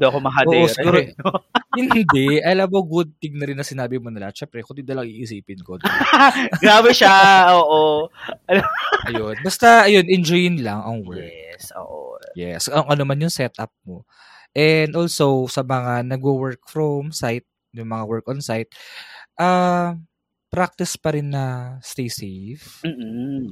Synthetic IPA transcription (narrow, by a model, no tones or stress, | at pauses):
d̪oɐkomɐɦadʔoːɛʔosɪɡuːɾoohɪnd̪ɛʔʔɐjlaboɡud̪̚t̪ɪɡ̚nɐɾɪnːɐsɪnaːbɪmonɐla̰ʃɛmpɾɛkʊnd̪id̪ɐlɐŋiːʔɪsiːpɪnkod̪ | ɡɾaːbɛʃaoːʔoɐnoʔɐjonbɐst̪ɐʔɐjo̞nʔɛnd͡ʒojɪnlɐŋɐŋwɛɹɛksʔo̰ːʔo̰jɛ̰sɐoŋʔɐnɐmanjʊŋsɛt̪ʔɐ̰p̚mo | ʔɛnd̪ʔoːlsowsɐmɐŋanɐɡuwɛɹk̚fɾomsajt̪̚ | jʊŋmɐŋawɛɹkɔnsajt̪̚ʔa | pɾak̚t̪ɪspɐɾɪnːɐst̪ejsejfm̩ː